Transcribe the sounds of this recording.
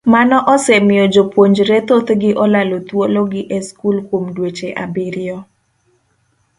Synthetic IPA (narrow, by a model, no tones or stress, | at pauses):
manɔʔɔsɛmɪjɔd͡ʒopwoɲd͡ʒɾɛt̪ot̪ɡɪʔɔlalot̪woloɡɪʔeskulkwomdwet͡ʃeʔabɪɾɪjɔ